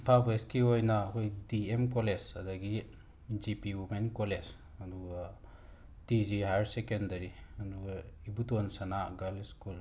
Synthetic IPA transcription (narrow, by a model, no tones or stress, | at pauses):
pʰapeskiojnɐːkʰojdiemkɔlesɐdɐɡi | d͡ʒipiwumenkolez | ɐduɡa | tiziɦaɾsekendɐɾiɐduɡibutonsɐnaɡaliskul